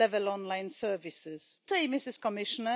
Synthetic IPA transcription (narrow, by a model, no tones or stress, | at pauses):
ɛvəlɔ̃nlãɪ̃nsɜːvɪsɪzseɪmɪsɪskɔmɪʃənə